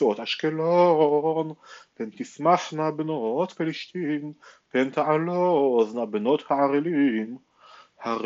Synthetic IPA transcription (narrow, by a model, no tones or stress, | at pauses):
ot̪aʃkelonpent̪ismafnabenoot̪peliʃt̪inpent̪aʕaloznabenot̪haʕaʁelim | haʁ